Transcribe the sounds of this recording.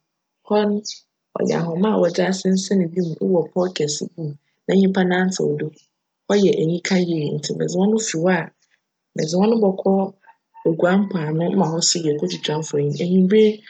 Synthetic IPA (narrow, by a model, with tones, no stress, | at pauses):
hɔ˦ñ˦ | ɔ̰˨ɲɛ̰˨ɦɔ˨mã˦˨wʔɔ˨d͡ʑa˦sɪ̃˦n̩˦sɛ˦nɪ̃˨bi˦mũ˨ʔṵ˦wɔ˨pʰɔ˦kʰɛ˨sɪ̰˦bi˦m̃˨ | nã˨˦ɲĩ˦pʰa˦nã˦n̩˦tʰɪ̰˨o̰˨do˦ | hɔ˦jɛ˨ʔæ˨ɲĩ˦kʰã˦je˨i˨n̩˨tʰɪ˦˨mɛ̰̃˨d͡zɪ˨wɔ̃˦nʊ̃˦fi˨wa˦˨ | mɛ̰̃˨d͡zɪ˨wɔ̃˦nʊ̃˦bɔ˨kʰɔ˦ | o˨ɡu˨ã˦m˦pʰa˨nʊ̃˦ã˨hɔ˦sɪ˦jɛ˨kʰɔ˦d͡ʑʰɪ˨t͡ɕʰᶣã˨˦m˦fɔ˨ɲĩ˦æ˨ɲĩ˦be˦